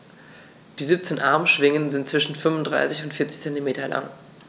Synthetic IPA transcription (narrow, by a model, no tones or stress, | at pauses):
d̥iːziːp̚t͡seːnʔaɐmʃv̥ɪŋənzɪntt͡sv̥ɪʃn̩fʏnvʊndʁa̰ɪsɪçʊntfɪɐt͡sɪçt͡sɛntimeːtɐlʔa̰ŋ